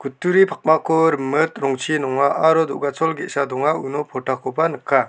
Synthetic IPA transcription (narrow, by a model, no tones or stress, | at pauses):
kʰutːuɾipʰak̚makʰɔɾɯmɯt̪ɾɔŋt͡ʃʰinɔŋaʔaɾɔd̪ɔʔɡat͡ʃʰɔlɡeʔsadɔŋaunɔpʰɔʈʰakʰɔpanɯkʰːa